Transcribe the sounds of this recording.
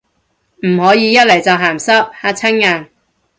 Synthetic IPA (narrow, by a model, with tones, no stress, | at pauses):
m̩˨˩hɔː˨˥jiː˨˧jɐ˥t̚le˨˩jt͡sɐ˨wɦaː˨˩msɐ˥k̚haː˧t͡sʰɐ˥ŋŋaː˨˩ŋ